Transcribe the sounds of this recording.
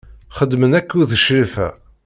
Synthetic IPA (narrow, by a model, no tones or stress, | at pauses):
χəd̪ːmənækːuðəʃɾifæ̰